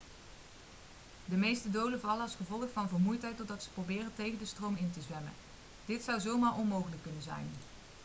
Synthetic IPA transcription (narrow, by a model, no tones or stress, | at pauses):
dəmejstədowləvɑləɑsχəvɔlˠəχfɑnvəːɹmujtɦɛjtɔdɑtsə̥prowbɪːrəntejɣəndəstrowmɪntəzʋɛmə̰n | d̥ɪtsʌwzowmaːɹʔɔnmowχələkːɵnənzɛ̰jn